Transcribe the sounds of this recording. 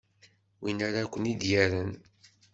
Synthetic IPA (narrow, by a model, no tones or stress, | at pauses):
winaɾakʷːənid̪jæɾən